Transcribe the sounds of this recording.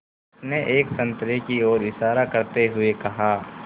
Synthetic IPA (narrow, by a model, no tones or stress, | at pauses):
sneʔeːksɐ̃nt̪ɾekioːɾɪʃaːɾakɐɾt̪eɦʊekɐɦaː